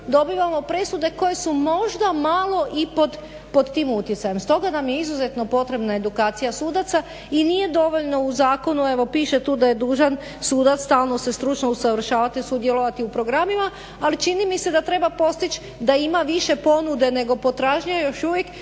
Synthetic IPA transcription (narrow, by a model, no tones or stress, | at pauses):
d̪o̞biʋamo̞pɾe̞sud̪e̞ko̞je̞sumo̞ʒd̪amalˠo̞ʔipod̪ | po̞d̪t̪iːmut̪jesaje̞mst̪o̞ɡanamje̞izuze̞t̪no̞po̞t̪ɾe̞bnae̞d̪ukaːt̪sijasuːd̪at̪sa | inije̞d̪o̞ʋo̞ʎno̞uzaːko̞nue̞ʋo̞piːʃe̞t̪uːd̪aje̞d̪uːʒan | suːd̪at̪st̪aːlˠno̞se̞st̪ɾut͡ʃnousaʋr̩ʃaːʋat̪isud̪jelo̞ʋat̪iupɾo̞ɡɾamima | alit͡ʃinimise̞d̪at̪ɾe̞bapo̞st̪it͡ʃ | d̪aimaʋiʃe̞po̞nud̪e̞ne̞ɡo̞po̞t̪ɾaʒɲaajoʃuʋje̞k